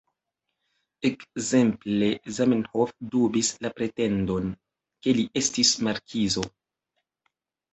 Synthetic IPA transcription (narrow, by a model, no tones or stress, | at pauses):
ekze̞mple̞zamenhofdubislapɾe̞te̞ndo̞n | ke̞liʔe̞stismaɾkʰizo̞